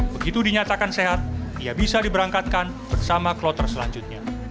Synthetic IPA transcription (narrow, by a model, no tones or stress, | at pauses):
bəɡit̪udiɲat̪akanseɦat̪̚iabisadibəɾaŋkat̪̚kan | bərsamaklɔt̪ərsəla̰ɲd͡ʒʊt̪̚ɲa